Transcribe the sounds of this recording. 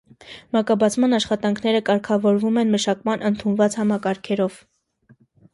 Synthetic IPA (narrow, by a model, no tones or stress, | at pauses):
mɑkɑbɑt͡sʰmɑnɑʃχɑt̪ɑŋkʰnɛɾəkɑɾkʰɑvɔɾvumɛnməʃɑkmɑnʔənt̪ʰunvɑt͡shɑmɑkɑɾkʰɛɾɔv̥